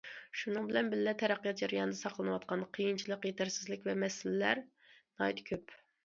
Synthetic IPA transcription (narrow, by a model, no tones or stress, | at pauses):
ʃunɨŋbɪlɛnbɪllɛt̪ʰɛɾæqːijɑt̪̚d͡ʒɑɾjɑnɨd̪ɛsɑqʰlˠɨnɨwɑt̪̚qʰɑnqʰəjint͡ʃʰilˠəqjet̪ʰæɾsɪzlɪkʲvɛmɛsɪlɪlæɾ | nɑjt̪kʲʰøp